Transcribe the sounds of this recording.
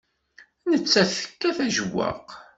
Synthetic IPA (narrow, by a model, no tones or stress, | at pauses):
nət͡sːæθə̥kːæθæʒəwːa̰q